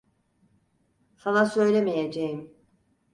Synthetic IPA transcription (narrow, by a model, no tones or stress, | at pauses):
sanasø̞jlʲemijed͡ʒejim